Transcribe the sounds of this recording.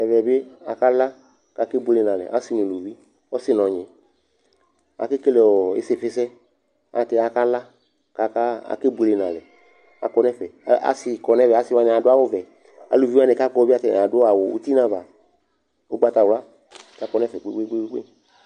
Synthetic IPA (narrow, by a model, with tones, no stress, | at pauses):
ɛ˨vɛ˨be˦a˨ka˦la˦ | ka˨ke˦bu˧le˨nã˨lɛ̰˨ʔa̰˦si˦˨nĩ˨lu˨vi˦ | ɔ˦sɪ˦nɔ̃˨ɲɪ̃˨ | a̰˨ke˦ke˦lɛ˨ɔ˨ḛ˦se˨fɪ˦sɛ˦ | a̰˨tɛ˧a˨ka˦la˦ | ka˨ka˦a̰˨ke˦bu˧le˨nã˨lɛ˨ | a̰˨kɔ˧nɛ˦fɛ˨˦a̰˨sɪ˨˧kɔ˨nɛ̃˦vɛ˨a˨˦sɪ˦wa˧n˨a˨dʊ˦a˦wʊ˦vɛ˨ | a̰˨lu˨vi˦a˦nɛ̃˨ka˦kɔ˦ba˦˨tɛ˨ã˨dʊ˦a˨wʊ̰˨ṵ˦t̪i˦nã˦va˨ | ʊ˦ɡ͡ba˦t̪a˨wla˦˨ | ta˨kɔ˧˦nɛ˦fɛ˨k͡pe˦ɡ͡be˦ɡ͡be˦ɡ͡be˦ɡ͡bḛ˦˨